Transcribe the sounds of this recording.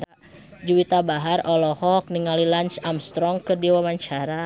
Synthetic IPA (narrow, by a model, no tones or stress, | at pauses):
a | d͡ʒuwit̪abaɦarɔlɔhɔk̚niŋalilant͡ʃamst̪ɾɔŋkɨrdiwamaɲt͡ʃaɾa